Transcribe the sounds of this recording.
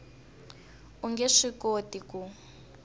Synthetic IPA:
uŋɡɛʂikotiku

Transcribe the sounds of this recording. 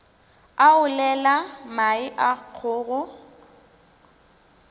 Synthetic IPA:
aʊlɛlamaɪʔak͡xʰʊːɣʊ

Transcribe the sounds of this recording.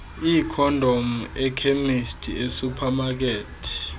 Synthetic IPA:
iːkʰɔndʱomuɛkʰemistʼʰiesupʰamak̬eːtʰi̥

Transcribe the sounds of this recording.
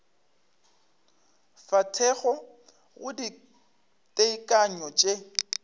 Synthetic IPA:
fatʰɛɣɔ | ɣʊdi | tʼeikʼaɲɔt͡ʃʼe

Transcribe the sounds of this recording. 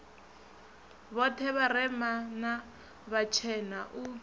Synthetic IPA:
βɔtʰɛβarɛmana | βat͡ʃʰɛnaʔu

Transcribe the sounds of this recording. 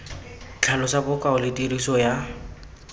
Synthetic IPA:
t͡ɬʰalɔsabʊkʼaʊlɪtʼiɾisɔja

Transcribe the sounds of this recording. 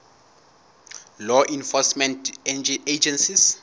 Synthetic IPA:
lɔʔĩnfɔsmɛ̃ntɛnd͡ʒed͡ʒɛ̃nsis

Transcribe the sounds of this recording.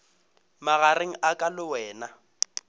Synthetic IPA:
maɣareŋ̩ʔakʼalʊwɛːna

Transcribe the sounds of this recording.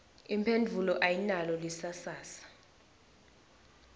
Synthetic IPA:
impʰendʱulɔʔajinalɔlisasaːsḁ

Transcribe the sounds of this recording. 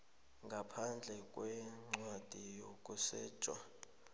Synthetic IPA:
ŋɡʱapʰand͡ɮʱɛkʼwɛŋ͡ǀwad̥ʱijokʼusɛːt͡ʃʼwa̰

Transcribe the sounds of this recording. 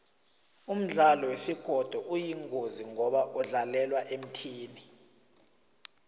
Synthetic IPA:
um̩ɮalɔwesiɡ̥ʱɔd̥ʱɔʔujiŋʱoziŋɔɓaʔɔɮalɛlwaʔem̩tʰiːni

